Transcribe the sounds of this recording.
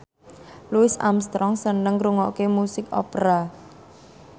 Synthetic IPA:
luɪsa̰mst̪ɾɔŋsənəŋɾuŋɔkemusɪkɔ̰pɾa

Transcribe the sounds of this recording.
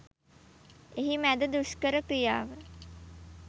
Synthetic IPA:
eɦimæd̪əd̪uskəɾəkɾijaːʋə

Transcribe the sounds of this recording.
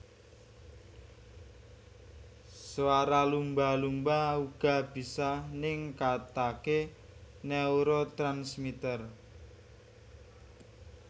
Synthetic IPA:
swaɾalumbalumbauɡ̥a̤b̥i̤sanɪŋkat̪ake | nɛuɾot̪ɾansmit̪ər

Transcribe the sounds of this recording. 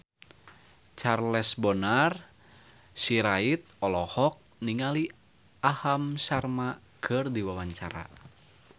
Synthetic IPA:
t͡ʃarlɛsbɔnar | siɾait̪̚ɔlɔhɔk̚niŋali | ahamsarma | kʰɨrdiwawaɲt͡ʃa̰ɾa̰

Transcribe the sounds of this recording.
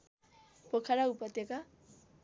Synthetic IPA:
pokʰaɾaupʌt̪jʌka

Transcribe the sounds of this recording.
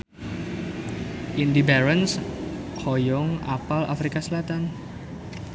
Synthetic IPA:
ʔind̪ibaɾənshɔjɔŋʔapala̰fɾikasəlat̪an

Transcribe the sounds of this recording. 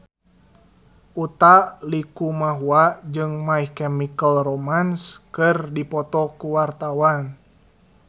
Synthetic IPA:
ʔut̪alikumaɦuaʔd͡ʒɨŋmaihkɛmikəlromanskɨrdipɔt̪ɔkuwart̪awan

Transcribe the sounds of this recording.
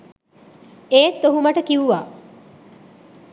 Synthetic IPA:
eːt̪ːoɦumɐʈəkiʋuʋaː

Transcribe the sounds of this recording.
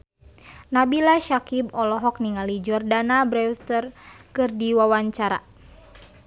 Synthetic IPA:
nabilaʃakibɔlɔɦɔk̚niŋalid͡ʒɔrdanabɾɛwst̪ərkɨrdiwawaɲt͡ʃaɾa̰

